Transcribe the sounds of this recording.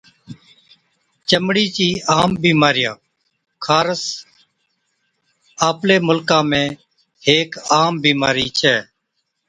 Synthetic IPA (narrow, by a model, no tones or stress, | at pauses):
t͡ʃəmɽiːt͡ʃiːaːmbiːmaːɾɪjãː | kʰaːɾəs | aːpleːmʊlkãːmẽː | heːkaːmbiːmaːɾiːt͡ʃʰɛː